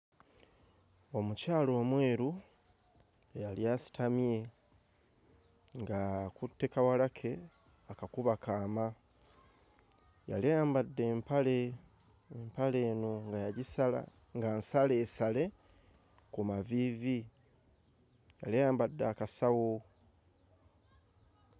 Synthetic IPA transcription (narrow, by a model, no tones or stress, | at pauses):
o̞mucaːlo̞ːmwe̞ːɾu | jaljasi̥tʰamie̞ | ŋɡakutːe̞kawalakʰe̞ | akakuβakaːma | ja̰lejaːmbadːe̞ːmpale̞ | empale̞ːno̞ŋɡajaɟisala̰ | ŋɡansale̞ːsale̞ | kumavivi | jalejaːmbadːaːkasawo